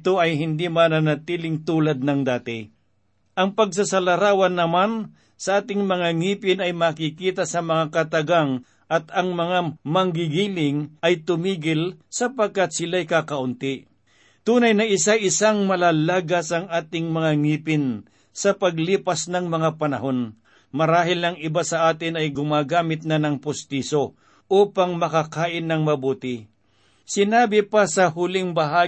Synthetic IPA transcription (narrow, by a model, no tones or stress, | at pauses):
t̪oɐjɦɪnd̪imanɐnat̪iːlɪŋt̪uːlad̪̚nɐŋd̪aːt̪ɪ | ʔɐŋpɐɡs̬ɐsɐlɐɾaːwɐnːɐman | sɐʔaːt̪ɪŋmɐŋaŋiːpɪnɐjmakɪkiːt̪asɐmɐŋakɐt̪ɐɡaŋ | ʔɐt̪ɐŋmɐŋamɐŋɡɪɡiːlɪŋɐjt̪ʊmiːɡɪlsɐpɐɡ̚kat̪̚sɪlajkakɐʔʊnt̪ɪ | t̪uːnɐjnɐʔɪsaʔɪsaŋmɐlaːlaːɡɐsɐŋaːt̪ɪŋmɐŋaŋiːpɪn | sɐpɐɡliːpɐsnɐŋmɐŋapɐnɐ̰ɦo̞n | mɐɾaːɦɪlɐŋɪbasɐʔaːt̪ɪnɐjɡʊmaːɡaːmɪt̪̚nanɐŋpʊst̪iso | ʔuːpaŋmɐkakaːʔɪnːɐŋmɐbuːt̪ɪ | sɪnaːbɪpasɐhʊlɪŋbɐɦaː